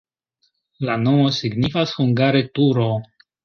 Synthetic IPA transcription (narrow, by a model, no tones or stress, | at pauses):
lano̞mo̞siɡnifashuŋɡaɾe̞tuɾo